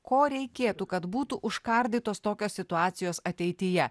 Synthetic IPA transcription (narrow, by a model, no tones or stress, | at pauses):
koːɾʲɛɪkʲeːt̪ukɐt̪buːt̪uʔʊʃkɐɾʲd̪ʲiːt̪oːst̪oːkʲoːssʲɪt̪ʊɑːt̪sʲɪjoːsɐt̪ʲɛɪt̪ʲɪjɛ